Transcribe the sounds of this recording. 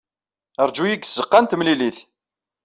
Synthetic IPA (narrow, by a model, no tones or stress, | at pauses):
əɾˤd͡ʒujiɡz̥ːəqːant̪mliliθ